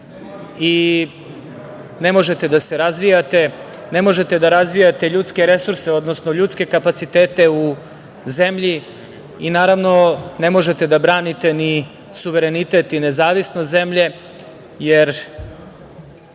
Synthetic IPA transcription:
i | nemo̞ʒe̞t̪e̞d̪aseɾazʋijat̪e̞ | nemo̞ʒe̞t̪e̞d̪aɾazʋijat̪e̞ʎuːt̪ske̞ɾe̞suɾseo̞d̪no̞snoʎuːt̪ske̞kapat̪sit̪eːt̪e̞u | ze̞mʎi | inaːɾaʋno̞ne̞mo̞ʒe̞t̪e̞d̪abɾaːnit̪e̞ni | suʋeɾe̞nit̪et̪inezaːʋisnoze̞mʎe̞ | jeɾ

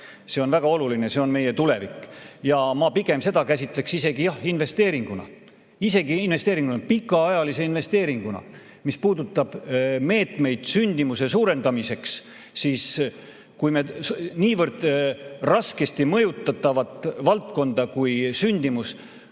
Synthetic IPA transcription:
se̞o̞nvæɡ̥ɑo̞lulinese̞o̞nme̞je̞t̪ule̞vikːˑjɑmɑpiɡ̥e̞mse̞d̪̥ɑkæsʲit̪ˑle̞ksise̞ɡijɑhinve̞st̪e̞ːɾiŋɡ̥unɑ̰ | ise̞ɡ̥iinve̞st̪eːɾiŋɡunɑpikːˑɑɑjɑlise̞inve̞st̪eːɾiŋɡ̥unɑ̰ | mispuːd̪̥ut̪ːˑɑb̥me̞ːt̪me̞jd̪̥synʲd̪imuse̞suːɾe̞nd̪̥ɑmise̞ks | siːs | kujme̞sniːvɤrd̪̥rɑske̞st̪imɤjut̪ːˑɑt̪ːˑɑvɑt̪ˑvɑlt̪̚ko̞nd̪̥ɑkujsynʲd̪imus

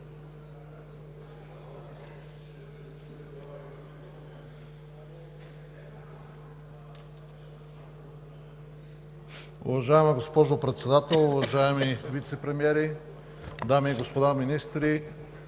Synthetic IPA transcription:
ʊ̰vɐʒaɛməɡospɔʒopɾɛt̪sɛd̪at̪ɛlˠʊvɐʒaɛmivit̪sɛpɾɛmiɛɾi | d̪amiːɡospod̪aminist̪ɾi

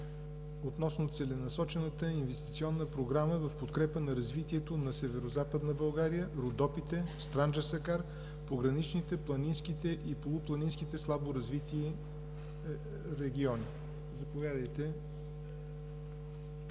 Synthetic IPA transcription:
ot̪nɔsnot̪sɛlɛnɐsɔt͡ʃɛnət̪əinvɛst̪it̪siɔnːəpɾoɡɾaməvɐfpot̪kɾɛpənɐɾɐzvit̪iɛt̪onɐsɛvɛɾozapəd̪nəbɐlˠɡaɾijəɾod̪ɔpit̪ɛst̪ɾand͡ʒəɾsɐkaɾ | poɡɾɐnit͡ʃnit̪ɛplˠɐninskit̪ɛʔipolˠʊplˠɐninskit̪ɛslˠaboɾɐzvit̪iː | ɾɛɡ̟ʲiɔni | zɐpovʲjad̪əjt̪ɛ

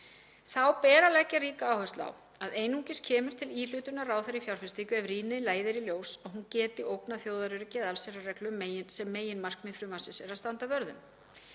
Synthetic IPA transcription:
θawpɛːɾalɛcaɾiːkaːwhœst̪la̰w | aðeːjnuŋcɪscʰɛːmʏɾ̥t̪ʰɪliːl̥ʏːt̪ʏnaraːwθaɾifjawɾ̥fɪst̪iːkʏɛvɾiːnɪlaːjðɪɾiljoːwsaɣɦuncɛːt̪ɪʔowknaθjoːwðaɾʏɾɪcɛːðalsɛɾʏrɛklʏmːeːjɪnsɛmːeːjɪnmar̥kmɪnfɾʏmvansɪsɛɾaðst̪ant̪avœɾðʏ̰m

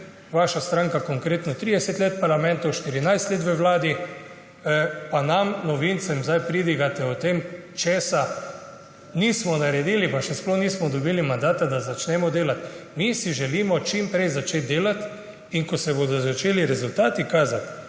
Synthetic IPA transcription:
ʋaʃast̪ɾaŋkakɔŋkɾeːt̪nɔt̪ɾid̪ɛsɛt̪leːt̪̚paɾlamɛ̃nt̪owʃt̪iɾinajst̪leːt̪ʋəʋlaːd̪i | panamnɔʋint̪sɛmzajpɾiːd̪iɡat̪ɛɔt̪emt͡ʃeːsa | nismɔnaɾɛd̪iːlipaʃɛsploniːsmɔd̪ɔbilimand̪aːt̪ad̪azat͡ʃnɛmɔd̪eːlat̪misiʒɛliːmɔt͡ʃimpɾɛjzat͡ʃeːt̪̚d̪eːlat̪ | iŋkɔsɛbod̪ɔzat͡ʃeːliɾɛzult̪aːt̪ikaːzat̪

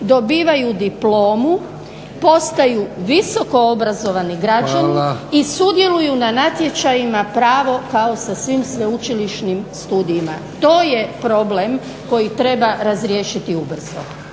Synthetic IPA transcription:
d̪o̞biːʋajud̪iplo̞ːmu | po̞st̪ajuʋiso̞ko̞obɾazo̞ʋaniɡɾad͡ʒaniisud̪je̞lujunanat̪je̞t͡ʃajimapɾaːʋo̞kao̞sasʋiːmsʋe̞ut͡ʃiliʃnimst̪uːd̪ijma̰ | t̪o̞ːje̞pɾo̞blem | ko̞jit̪ɾe̞baɾazɾjeːʃit̪iubr̩zo̰

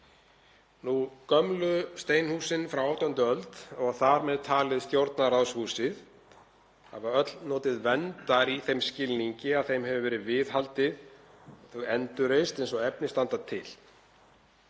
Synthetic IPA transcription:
nukœmlʏst̪eːjnhuːsɪnfɾawaːwt̪aʏnt̪ʏœlt̪ɔɣθaɾmɛðt̪ʰaːlɪðst̪jowɾt̪narawshuːsɪð | ha̰vaœt̪lnɔːt̪ɪðvɛnt̪aɾiθejmscɪlniɲcɪaðθejmɦɛvʏvɛːɾɪvɪðɦalt̪ɪð | θœɣɛnt̪ʏɾejst̪ejnsɔɣɛpnɪst̪ant̪at̪ʰːɪl̥

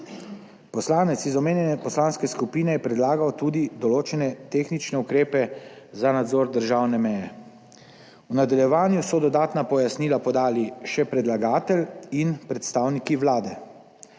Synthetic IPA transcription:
pɔslaːnɛt̪sizɔmeːnjɛnɛpɔslaːnskɛskupiːnɛjɛpɾɛd̪laːɡawt̪uːd̪id̪ɔloːt͡ʃɛnɛt̪eːxnit͡ʃnɛukɾeːpɛzanad̪zoːɾd̪əɾʒawnɛmɛjɛ | unad̪aljɛʋaːnjusɔd̪ɔd̪aːt̪napɔjasniːlapɔd̪aːliʃɛpɾɛd̪laɡaːt̪ɛlinpɾɛt̪st̪aːwnikiʋlaːd̪ɛ

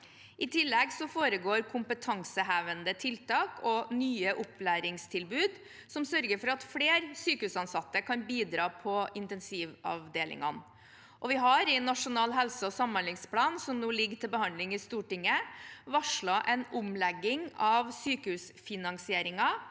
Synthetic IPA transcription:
ʔɪt̪ʰɪlːɛɡsɔfoːɾəɡoːɾkʰʊmpət̪ʰɑŋsəɦæːʋənd̪ət̪ʰɪlt̪ɑːkʰɔnyːəʔʊplæːɾɪŋst̪ʰɪlbʉːd̪ | sɔmsœɾɡəɾfɔɾɑt̪fleːɾsyːkəhʉːsɑnsɑt̪ːəkʰɑnbiːd̪ɾɑːpʰɔɪnt̪ɛnsiːʋɑ̰ʋd̪eːlʔɪ̰ŋɑn | ʔɔʋɪɦɑɾɪnːɑʂʊnɑːlɦɛlsəɔsɑmːɑnlɪŋspʰlɑːnsɔmnuːlɪɡt̪ʰɪlbəhɑnlɪŋɪst̪uːʈɪŋːəʋɑʂɭoːʔɛnʊmlɛɡːɪŋɑʋsyːkəhʉːs | fɪnɑŋsɪeːɾɪŋɑ

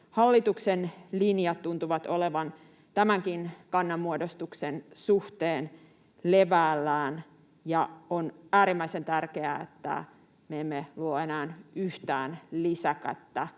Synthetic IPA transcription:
hɑlːit̪uksenlinjɑt̪t̪ːunt̪uʋɑt̪oleʋɑn | t̪æmæŋkinkɑnːɑmːuodost̪uksensuht̪eːn | leʋæːlːæːn | jɑonæːɾimːæisent̪ærkeæ̰ḛt̪ːæ̰ | meemːeluoenæːnyht̪æːnlisækæ̰t̪ːæ

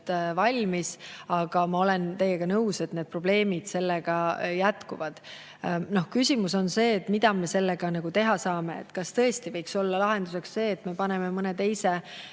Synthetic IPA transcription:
t̪vɑlʲmisɑɡ̥ɑmɑo̞le̞nt̪e̞je̞ɡ̥ɑnɤwse̞t̪ne̞d̪̚pro̞b̥le̞ːmid̪̥se̞lːeɡ̥ɑjæt̪kuvɑd̪̥ | no̞hkysimuso̞nse̞ːt̪ːˑmid̪ɑme̞se̞lːeɡ̥ɑnɑɡ̥ut̪e̞ɦɑsɑːme̞ḛt̪ːˑkɑst̪ɤ̞est̪ivɤjkso̞lːɑlɑɦe̞nd̪use̞ksse̞ːt̪ːme̞pɑne̞memɤne̞t̪e̞jse̞

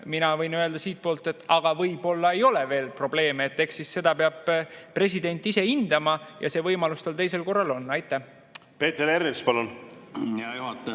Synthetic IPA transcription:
minɑvɤjnøeld̪ɑsiːt̪̚po̞ːlt̪e̞t̪ːˑɑɡ̥ɑvɤjb̥o̞lːɑe̞jo̞le̞ve̞ːlpro̞b̥le̞ːmeet̪ːe̞hksisse̞d̪̥ɑpeɑb̥pre̞s̬id̪e̞nʲt̪ˑːise̞ind̪̥ɑmɑjɑ̰se̞ːvɤjmɑlust̪ɑlt̪e̞js̬e̞lko̞rːɑlo̞nːɑjt̪ːˑæh | pe̞ːt̪eɾeɾispɑlunjɑjuhɑt̪ˑː

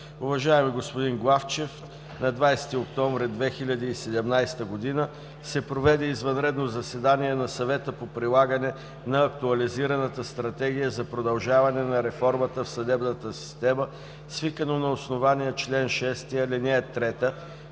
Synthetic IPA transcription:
uvɐʒaɛmiɡospʊd̪inɡlˠaft͡ʃɛf | nɐd̪vajst̪iokt̪ɔɱvɾɛd̪vɛxilʲɐd̪iːsɛd̪ɛmnajst̪əɡod̪inə | sɛpɾovɛd̪ɛizvɐnɾɛd̪nozɐsɛd̪aniɛnɐsɐvɛt̪əpopɾilˠaɡənɛ | nɐːkt̪uɐliziɾɐnət̪əst̪ɾɐt̪ɛɡ̟ijəzɐpɾod̪ɐlˠʒavɐnɛnɐɾɛfɔɾmət̪əfsɐd̪ɛbnət̪əsi̥st̪ɛmə | svikənonɐosnovanijət͡ʃlɛnʃɛst̪iəlɛnʲɛət̪ːɾɛt̪ə

